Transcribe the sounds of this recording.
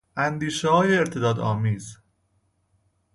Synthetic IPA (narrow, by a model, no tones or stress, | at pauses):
ʔænd̪iːʃeɦɒːjeːɾt̪ʰe̞d̪ɒːd̪ɒːmiːz